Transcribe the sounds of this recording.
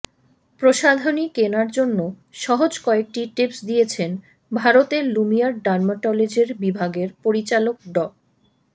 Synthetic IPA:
pɾoʃad̪ʱonikenaɾd͡ʑonːo | ʃɔɦod͡ʑkɔek̚ʈiʈepsd̪iet͡ɕʰen | bʱaɾot̪eɾlumijaɾɖaɾmaʈɔled͡ʑeɾbibʱaɡeɾpoɾit͡ɕalok̚ɖɔ

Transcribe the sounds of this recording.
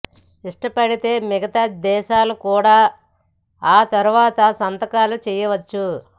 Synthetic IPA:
iʂʈɐpɐɽit̪e̞ːmɛɡɐt̪ad̪ɛːʃaːlukuːɽaː | aːt̪ɐɾuʋaːt̪ɐsɐnt̪ɐkaːlut͡ʃɛːjɐʋɐt͡ʃːu

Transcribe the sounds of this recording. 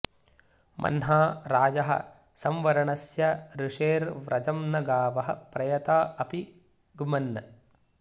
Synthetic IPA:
mʔɐ̰nɦaːɾaːd͡ʒɐɦɐ̰ | sɐmʋɐɾɐɳɐsjɐɾiʂeːɾʋɾʔɐd͡ʒɐmnɐɡaːʋɐɦɐ̰pɾɐjɐt̪aːɐpi | ɡumɐnːɐ

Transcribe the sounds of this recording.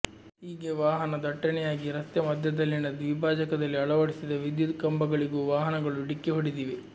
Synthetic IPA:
ɦiːɡe̞ʋaːɦɐnɐd̪ɐʈːɐnɛjaːɡiɾɐst̪jɐmɐd̪ʱjɐd̪ɐlːinɐd̪ʋibʱaːd͡ʒɐkɐd̪ɐlːiɐɭɐʋɐɽisid̪ɐʋid̪jud̪kɐmbɐɡɐɭiɡuːʋaːɦɐnɐɡɐɭuiɽikːeɦoɽid̪iːʋe

